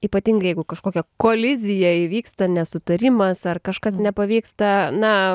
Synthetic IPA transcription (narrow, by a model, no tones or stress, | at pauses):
iːpɐt̪ʲiːŋɡɐɪjɛɪɡʊkɐʃkoːkʲɛkoːlʲɪzʲɪjɛɪʋʲiːkst̪ɐnʲɛsʊt̪ɐɾʲɪmɐsɐrkɐʃkɐsnʲɛpɐʋʲiːkst̪ɐnɐ